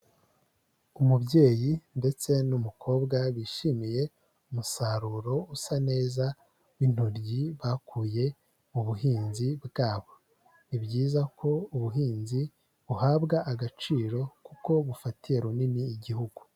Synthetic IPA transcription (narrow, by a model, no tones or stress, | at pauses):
umubɟe̞ːjinde̞t͡se̞numukʰo̞ːbɡaβiʃimije̞ | umusaɾuɾo̞usane̞ːza | win̥hoɾɟiβakuːje̞ | uβuɦiːnzibɡaːβo̞ | βibɟiːzakʰo̞uβuɦiːnzi | βuhaːbɡaʔaɡat͡ʃiːɾo̞kuko̞βufatije̞ɾuniniːɟihuɡu̥